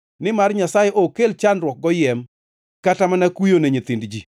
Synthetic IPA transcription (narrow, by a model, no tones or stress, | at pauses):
nɪmarɲasajeʔokelt͡ʃanɾwɔk̚ɡɔjɛm | katamanakujoneɲet̪indd͡ʒi